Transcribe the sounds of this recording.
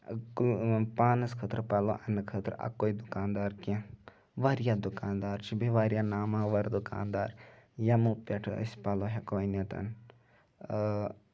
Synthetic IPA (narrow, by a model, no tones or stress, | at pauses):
kpaːnɐskʰəːt̪ɾpaloʔɐnɨkʰət̪ɾ̰ʔɐ̰kːoːid̪ukaːnd̪aːɾkẽ | ʋaɾjad̪ukaːnd̪aːɾt͡ʃʰibiʋaːɾjanaːmãːʋɐɾd̪uka̰ːnd̪aːɾjamupʲɛʈʰə̰sʲpaloːɦekoːinɐt̪ɐ̰n